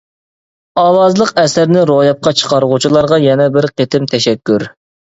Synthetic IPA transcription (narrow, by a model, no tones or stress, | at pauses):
ɑːwɑzlˠəqɛsæɾnɪɾojɑp̚qɑt͡ʃʰə̥qʰɑɾʁut͡ʃʰilˠɑɾʁɑjɛnɛbɪɾqʰet̪ʰɪmt̪ʰɛʃɛkʲːyɾ